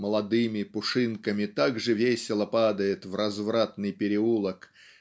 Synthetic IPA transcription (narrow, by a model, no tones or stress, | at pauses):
məlˠɐd̪ɨmʲɪpʊʂɨnkəmʲɪt̪aɡʐɨvʲesʲɪlˠəpad̪əjɪt̪vrɐzvɾat̪̚nɨjpʲɪɾʲɪulˠək